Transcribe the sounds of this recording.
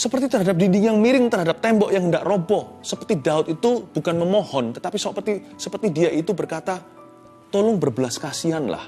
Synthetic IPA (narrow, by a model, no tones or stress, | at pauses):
səpərt̪it̪ərɦadap̚didijaŋmiɾɪŋt̪ərɦadap̚t̪ɛmbɔʔjaŋhəndaʔrobɔsəpərt̪idaʊt̪̚it̪ub̥ukanməmɔhɔnt̪ət̪apisəpət̪isəpərt̪idiaʔit̪ubərkat̪a | t̪olʊŋbərbəlaskasianla̰h